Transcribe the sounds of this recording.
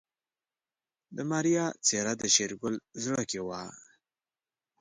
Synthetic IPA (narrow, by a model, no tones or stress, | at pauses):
d̪əmɑɾijɑt͡seɾad̪əʃeɾɡʊlzɽəkewɑ